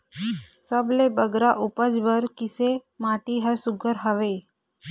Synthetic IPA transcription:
səblebəɡɾaʔupəd͡ʒʋəɾkisemaʈiɦəsuɡʱəɾɦəʋe

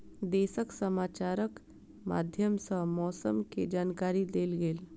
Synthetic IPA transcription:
d̪eːsəksəmaːt͡ʃaːɾək | ma̰ːd̪ʱjəmsəmɔːsəmked͡ʒaːnkaːɾid̪eːlɡeːl

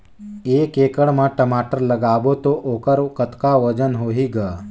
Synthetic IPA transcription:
ekekəɽmaʈəmaʈəɾləɡabot̪oʔokəɾkət̪kaʋəd͡zənɦoɦiɡa

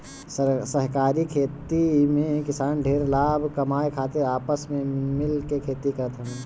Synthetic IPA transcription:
səsəɦkaːɾikʰeːt̪imẽkɪsaːnɖʱeːɾlaːbʱkɐmaːekʰaːt̪ɪɾaːpəsmẽmɪlkekʰeːt̪ikəɾət̪ɦɛ̃

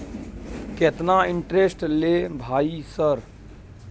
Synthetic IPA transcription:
ket̪naɪ̃ɳʈɾesʈlebʱaːisəɾ

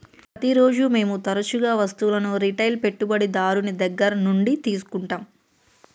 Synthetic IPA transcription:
pɾɐt̪iɾo̞ːd͡ʒume̞ːmut̪ɐɾɐt͡ʃuɡaːʋɐst̪ulɐnuɾiʈɐjlpe̞ʈːubɐɽid̪aːɾunid̪ɐɡːɐɾɐnuɳɖit̪iːs̬u̥kuɳʈaːm

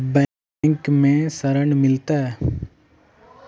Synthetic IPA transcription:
bɛ | ŋkmẽsəɾəɳmɪlt̪aɛ

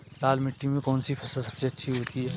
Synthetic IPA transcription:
laːlmɪʈːimẽkɔːnsipʰɛsəsɐbseɐtːʃʰiɦoːt̪iɦɛː

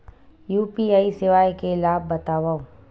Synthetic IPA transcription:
juːpiaːisɪʋaːjkelaːb̚ːɐt̪aːʋaːo

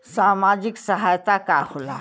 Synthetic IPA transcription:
samad͡ʒiksəɦajt̪akahola̰

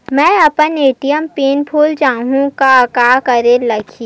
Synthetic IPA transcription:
mɛ̃ːɐpəneːʈijəmpiːnpʰuːld͡ʒaːɦũkaɐkaːkəɾelɐɡʰʱiː

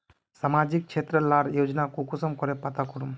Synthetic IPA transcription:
samad͡ʒik̚t͡ʃʰet̪ɾəlaɾjod͡ʒnakukusɔmkɔɾepat̪akɔɾum

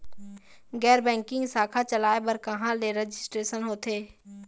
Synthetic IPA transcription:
ɡɛːɾbɛ̃ːŋkɪ̃ŋɡsaːkʰat͡ʃəlaːebəɾkɐɦãleɾəd͡ʒɪsʈɾeːsənɦoːt̪ʰeː

